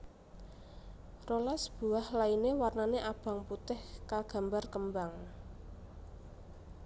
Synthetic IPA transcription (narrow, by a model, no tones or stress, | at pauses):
rolasb̥ṳahlainewarnaneʔab̥a̤ŋput̪ɪhkaɡ̥a̤mbarkəmbaŋ